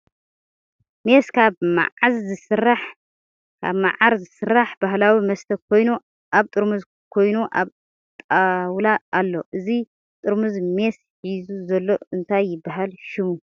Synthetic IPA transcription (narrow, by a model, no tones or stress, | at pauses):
me̞skʰaβma̰ʕazzɨsɨrːaħ | kʰa̰βma̰ʕaɾzɨsɨrːaħb̥ahlawimɐst̪ʰɐkʰo̞jnu | ʔaβt̪ʼɨɾmuz | kʰo̞jnuʔa̰β | t̪ʼawlaʔalːo̞̰ʔɨzi | t̪ʼɨɾmɨzme̞s | ħizuzɐlːo̞ɨnt̪ʰajːɪbːaɦalʃɪmu